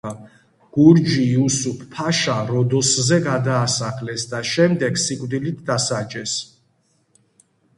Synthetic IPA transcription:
ɡ̥uɾd͡ʒiusupʰpʰːaʃaɾɔd̪ɔszɛɡad̪aːsaχlɛsd̪aʃɛmd̪ɛɡsikʼvd̪ilit̪ʰd̪asad͡ʒɛs

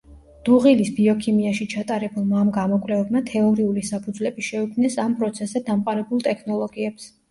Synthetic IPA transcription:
d̪̥uʁilisbiɔkʰimiaʃit͡ʃʰat̪ʼaɾɛbulˠmaːmɡamɔkʼwlɛvɛbmat̪ʰɛɔɾiulisapʰud̪zlɛbiʃɛukʰmnɛsampʼɾɔt̪sʰɛsɛd̪amqʼaɾɛbulˠt̪ʼɛkʰnɔlˠɔɡiɛps

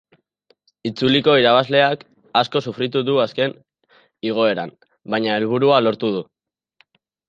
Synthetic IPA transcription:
it͡suliko̞iɾaβ̞azle̞ak | asko̞sufɾit̪uðuaske̞n | iɣ̞o̞e̞ɾam | baɲae̞lβ̞uɾualo̞ɾt̪uðu

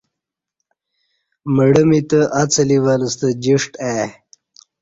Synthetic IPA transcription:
məɽəmit̪əʔat͡səliwaləst̪əd͡ʑiʂʈa

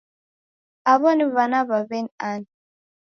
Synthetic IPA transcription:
aβɔniβanaβaβɛnan

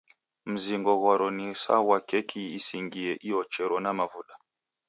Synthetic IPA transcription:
m̩ziŋɡɔɣwaɾɔnisa̰wakɛkʰiːsiŋɡiɛʔijɔt͡ʃɛɾɔnamavuɗa

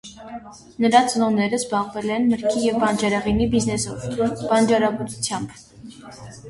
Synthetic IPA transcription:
nəɾɑt͡sənɔnɛɾəzbɑʁvɛlɛnməɾkʰijɛvbɑnd͡ʒɑɾɑʁinibiznɛsɔvbɑnd͡ʒɑɾɑbɑt̪ut͡sʰjɑmb

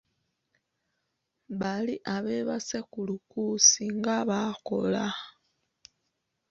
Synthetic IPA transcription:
βaliʔaβe̞βasekulukusiŋɡaβako̞la

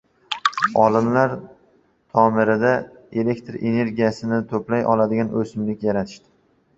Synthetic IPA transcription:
ɒlˠɪmlaɾ | t̪ʰɒmɪɾɪd̪aele̞kʲt̪ʰɾʔe̞ne̞ɾɡʲijasɪnɪt̪ʰɵplajʔɒlˠad̪ɪɡʲanʔɵsɪmlɪkʲjaɾat̪ʰɪ̥ʃt̪ɪ̥

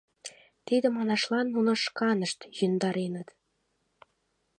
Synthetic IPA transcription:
t̪id̪ə̆mɑnɑʃlɑnːunɤ̆ʃkɑnəʃt̪jønd̪ɑɾenə̆t̪

